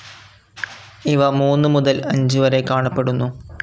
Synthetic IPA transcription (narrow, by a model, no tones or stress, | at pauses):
iʋɐmuːnːɨmuðɐlɐɲd͡ʑuʋɐɾe̞kaːɳɐpːe̞ɽunːu